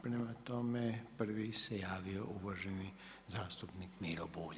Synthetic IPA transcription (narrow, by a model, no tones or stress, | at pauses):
pɾemat̪omepr̩ʋisejaːʋioʔuʋaʒeni | zaːst̪upnikmiːɾobuːʎ